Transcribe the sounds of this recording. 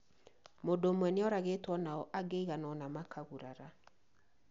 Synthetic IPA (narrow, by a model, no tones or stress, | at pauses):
modoːmwɛneɔɾaɣetwɔnaɔʔaɡeiɣanɔnamakʰaɣuɾaɾa